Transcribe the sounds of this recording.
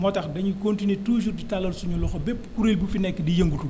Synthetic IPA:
mɔtɐxdɐɲukontinetuːd͡ʒurditalːɐlsuɲɔlɔxɔbɛpːkuɾeːlbufinɛkːɛdijɐŋɡutu

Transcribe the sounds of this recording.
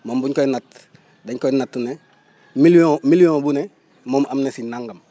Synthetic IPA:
mombuɲkonat | daɲkonatune | milõmilijõbune | momʔamnesinaŋɡam

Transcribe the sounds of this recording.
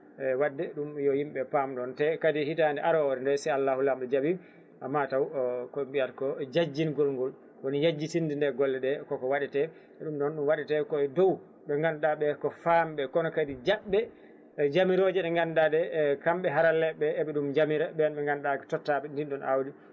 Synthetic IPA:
ɛwadːɛɗumjɔjimɓɛpamɗɔntɛkadihitandɛʔaɾɔɔɾɛndɛsajalːaːhulamɗɛd͡ʒabi | ʔamːatawkɔmbiatkɔd͡ʒad͡ʒːinɡɔlŋɡɔl | kɔnijad͡ʒːitindindɛɾɡɔlːɛɗɛkɔkɔwaɗɛtɛ | ɛɗumɗɔnɗumwaɗɛtɛkɔɛdow | ɓɛŋɡanɗaɓɛkɔfamɓɛkɔnɔkadid͡ʒaɓːɛ | d͡ʒamiɾod͡ʒɛɗɛŋɡandadɛkamɓɛɦaɾalɛɓɛːɓɛɗumd͡ʒamiɾɛɓɛnɓɛŋɡanɗakɛtɔtːaɓɛndinɗɔnʔa̰wdi

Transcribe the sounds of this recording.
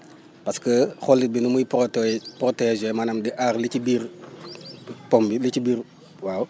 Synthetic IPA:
pɐskəxɔlːit̚binumujpɔtpɾɔtɛʒɛmɐnɐmdɛʔaɾlicibiːɾ | pɔmbilicibiːɾ | waːw

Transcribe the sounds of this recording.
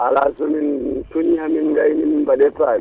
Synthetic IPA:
alazomintuɲihaminɡajnimibaɗɛpaː

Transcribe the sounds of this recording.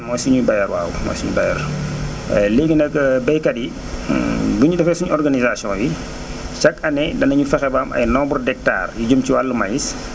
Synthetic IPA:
mɔːjsuɲubɐjɐɾwa̰ːwmɔ̰jsuɲubajɛ̰ɾ | leːɡənɐkbɐjkɐdi | buɲudɛfɛsuɲɔrɡanizasiɔ̃wi | t͡ʃɐkɐnɛdɐnɐɲufɛxɛbaːmʔɐ̰jnɔːbɔrdɛk̚ta̰ːrjiɟumciwalːəmajis

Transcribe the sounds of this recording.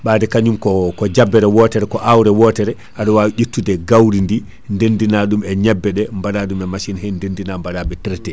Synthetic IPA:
ɓaːdɛkaɲumkɔkɔd͡ʒabːɛɾɛwɔtɛɾɛkɔʔawɾɛwɔːtɛɾɛ | haɗɔwawʔitːudɛɡawɾindi | ndendinaɗumɛɲɛbːɛɗɛmbaɗaɗumɛmaʃinhɛndendinambaɾabɛtɛɾɛtɛ

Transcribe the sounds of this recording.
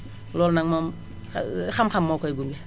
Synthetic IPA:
lɔlnaŋmɔm | xamkʰamːɔwkʰɔjɡumɡɛ

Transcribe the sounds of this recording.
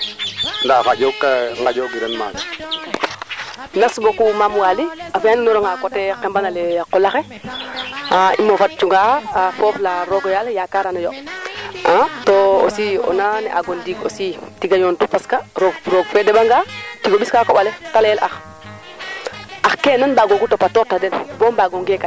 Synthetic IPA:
ndafaɟokaŋɡaɟoɡiɾenma̰ːd͡ʒ | nasbokumamwaliafjaninɔɾɔŋakotɛqembanalɛqɔlaxe | aʔimofat̚t͡ʃuŋɡaxafoːflaɾoɡojaljakaɾanajo | atoo̰siɔ̰nanɛ̰ʔa̰ɡondiɡo̰sitiɡajontupaskaɾoɡɾoɡfedebaŋɡatiɡobiskakobaletalɛlʔax | axkeːnanbaɡoɡutopatɔːtadenboːmbaːɡoŋɡeka

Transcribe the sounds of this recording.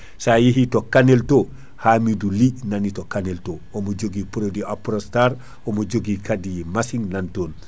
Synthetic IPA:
sajiɦitɔkanelto | haːmidulinanitɔkaneltoɔmod͡ʒoɡipuɾodiapɾɔstaɾ | ɔmod͡ʒoɡikadijmasiŋnantoːn

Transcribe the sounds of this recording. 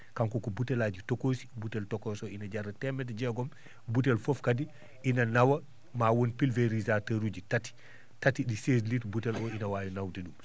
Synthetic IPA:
kaŋkɔkɔbutɛlaːd͡ʒitokoːsi̥butɛltɔkɔːsɔinad͡ʒarɛtɛmɛt̬d͡ʒɛɡɔm | but̬ɛlfofkadi | ʔinanawɐ | maːwonpilveɾizataɾud͡ʒitati̥ | tatiɗisesliːtbutɛlɔinawaːjunawteɗum

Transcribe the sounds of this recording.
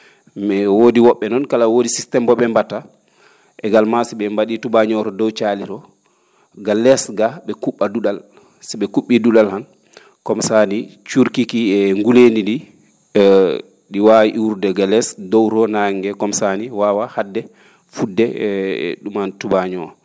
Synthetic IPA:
mɛwodiwɔɓːɛnɔnkalawodisistɛmbɔɓɛmbata | ʔɛɡalmasɛɓɛmbaɗitubaɲɔɾɔdɔwt͡ʃaliɾɔ | ɡalɛsɡaɓɛkuɓːaduɗal | sɛɓɛkuɓːiduɗalhan | kɔmsanit͡ʃuɾkikiɛŋɡulenidi | ɗiwawiʔiuɾdɛɡalɛsdɔwɾɔnaŋɡɛkɔmsaniwaːwahadːɛ | fudːɛ̰ | ɗumantubaɲɔɾɔ

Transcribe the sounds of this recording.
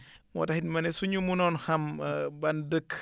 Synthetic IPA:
mw̰tahinmɐnesuɲumunɔnhambandək

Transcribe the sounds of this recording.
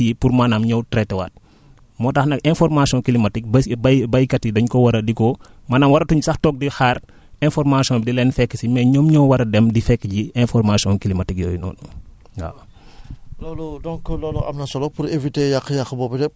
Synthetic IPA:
jipuɾmanamɲɔwtɾɛtɛwa̰t̚ | mɔːtɐxnɐkɛ̃nfɔrmasiɔ̃nkilimɐtik̚bbɐbɐjkɐtidɐɲkɔwɐɾɐdikɔmaːnaːmwɐɾɐtuɲsɐxtɔk̚dixaːr | ɛ̃nfɔrmasiɔ̃ndilɛnfɛkːəsimɛɲɔːmɲɔwwɐɾɐdɛmdifɛkːəɟiɛnfɔrmasiɔ̃ŋkilimatikjɔ̰ːjnɔ̰ːnu | ɡa̰w | lɔːlɔdɔŋkɔlɔlɔʔɐ̰mnɐsɔlɔpuɾevitejaxjaxbɔːbidɛp̚

